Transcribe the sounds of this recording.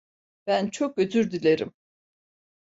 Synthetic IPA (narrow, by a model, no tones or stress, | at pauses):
b̥ænt͡ʃʰok̚ɟøzʰyɾd̪ilʲeɾḭm